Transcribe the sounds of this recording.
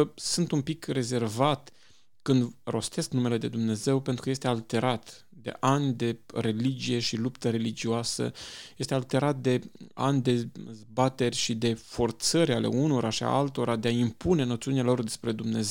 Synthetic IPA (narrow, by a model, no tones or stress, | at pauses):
sɨnt̪umpikre̞ze̞rvat̪ | kɨnd̪ro̞st̪e̞sknume̞le̞d̪e̞d̪umne̞ze̞wpe̞nt̪ɾukəjest̪e̞alt̪e̞ɾat̪ | d̪e̞̰ʔanʲd̪e̞re̞lid͡ʒije̞ʃilupt̪əɾe̞lid͡ʒioasə̰je̞st̪e̞alt̪e̞ɾat̪̚d̪e̞a̰nʲd̪e̞zbat̪e̞rʲʃid̪e̞fo̞rt̪səɾʲale̞̰uno̞ɾʔaʃia̰alt̪o̞ɾad̪e̞aimpune̞no̞t̪siunialo̞rd̪espɾe̞d̪umne̞z